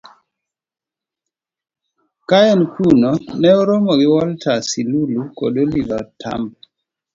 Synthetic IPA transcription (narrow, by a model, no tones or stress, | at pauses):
kaɛnkʰunɔnɛɔɾomɔɡɪwɔltasiluluko̰dolivata̰mb